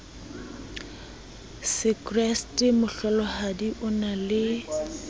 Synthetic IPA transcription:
sɪkrɛstʼɪmʊɬɔlɔhadiʔʊnalɪ

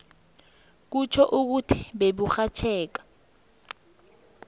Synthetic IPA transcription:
k̬ut͡ʃʰɔʔuk̬utʰi̥ɓeɓuxat͡ʃʰɛːk̬ḁ

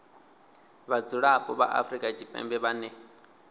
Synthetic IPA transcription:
βad͡zuɺapʼɔβa̰ʔa̰fɾikʼat͡ʃʰʼipʼɛ̰mbɛβanɛ

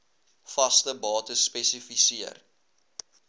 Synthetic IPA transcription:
fɐstəbɑːtəspɛsifisiər

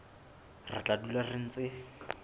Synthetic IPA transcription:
rɪ̰t͡ɬʼadularɪn̩ːt͡sʼɪ

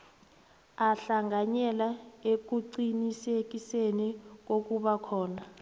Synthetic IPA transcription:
aɬaŋaɲɛlaek̬uǀinisek̬isenɛk̬ok̬uɓakʰɔːna

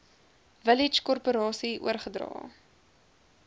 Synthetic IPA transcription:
vəlit͡ʃkɔrpoɾɑːsiṵərχədrɑ̰ː

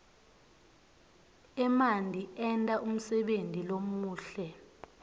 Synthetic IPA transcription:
ɛmandʱiɛntʼaʔum̩sɛɓentʼilomuːɬɛ

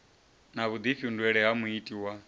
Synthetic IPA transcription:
naβud̪ifiundwɛɺɛɦamuitʼiwa

